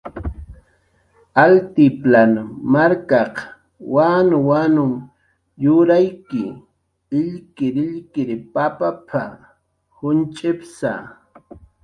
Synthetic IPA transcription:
alt̪ɪplanmaɾkɑq | wanʊwanʊŋ | jʊɾajkɪ | ɪʎkɪɾɪʎkɪɾpapapʰa̰ | hʊnt͡ʃʼɪpsa̰

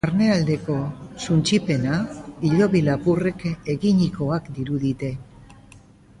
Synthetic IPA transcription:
aɾne̞ald̪e̞ko̞sunt͡ʃipe̞naiʎo̞βilapure̞ke̞ɣiɲiko̞akd̪iɾuðit̪e̞

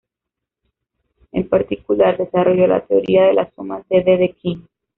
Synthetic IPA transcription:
e̞mpaɾt̪ikulaɾðe̞saro̞ʝo̞la̰t̪eoɾiaðe̞lasomaseðeðekiŋ

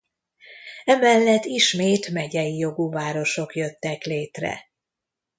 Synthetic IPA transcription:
ɛmɛlːɛt̪ːiʃmeːt̪mɛɟɛjijo̞ɡuːvaːɾo̞ʃo̞kjøt̪ːɛkleːt̪rɛ̰

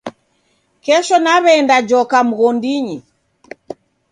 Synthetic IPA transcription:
kɛʃɔnaβɛːndad͡ʒɔkam̩ɣɔndiɲi

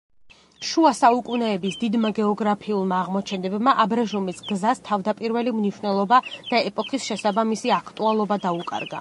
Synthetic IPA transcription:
ʃuasaukʼunɛːbisd̪id̪maɡɛɔɡɾapʰiulˠmaːʁmɔt͡ʃʰɛnd̪ɛbmaʔabɾaʒumisɡzast̪ʰavd̪apʼiɾvɛlimniʃwnɛlˠɔbad̪̥aɛpʼɔkʰisʃɛsabamisiakʰt̪ʼualˠɔbad̪aukʼa̰ɾɡa̰

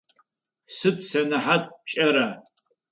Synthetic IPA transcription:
sɨtʰʼsanaħatʼt͡ʃʼaɾa

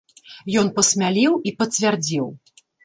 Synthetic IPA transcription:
jɔn̪pɐsʲmʲalʲiwipɐt͡sʲvʲard͡zʲiw

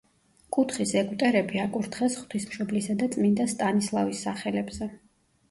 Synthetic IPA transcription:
kʼut̪ʰχisɛkʼut̪ʼɛɾɛbiakʼuɾt̪ʰχɛsχwt̪ʰismʃɔblisad̪at̪sʼmind̪ast̪ʼanislˠavisːaχɛlɛbz̥ɛ

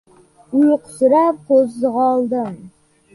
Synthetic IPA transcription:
ʊjqʰʊ̥sʊɾap̚qʰozːɨʁɒlˠd̪ɪm

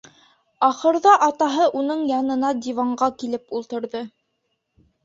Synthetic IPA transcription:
ɑχɤ̆ɾðɑʔɑt̪ɑɦɤʔunɤɴjɑnɤ̆nɑd̪ʲivɑɴɢɑkilɘpulˠt̪ɤ̆ɾðɤ

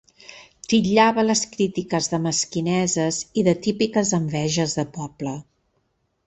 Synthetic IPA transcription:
t̪iʎaβələskɾit̪ikəzðəməskinɛzəziðət̪ipikəzəmbɛʒəzðəpɔb̥lə

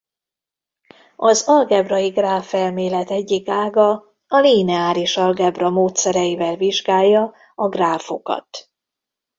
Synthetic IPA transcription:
ɒzɒlɡɛbrɒjiɡraːfɛlmeːlɛt̪ɛɟːikaːɡɒ | ɒliːnɛaːɾiʃɒlɡɛbrɒmoːt̪sɛɾɛjivɛlviʒɡaːjːɒ | ɒɡraːfo̞kɒ̰t̪

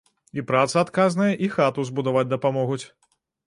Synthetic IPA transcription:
ipɾat̪sɐat̪kaznɐjɐʔixat̪uzbud̪avad͡zʲd̪ɐpamɔɣut͡sʲ

